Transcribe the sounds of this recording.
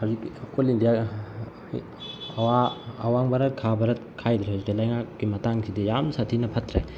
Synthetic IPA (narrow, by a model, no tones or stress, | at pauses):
hawzikːikolindija | waːwaŋbɐɾɐt̚kʰabɐɾɐt̚kʰajd̪ɾeɦawzikilɐjŋakːimɐtaŋsʰidijamsatʰinɐpʰɐtɾe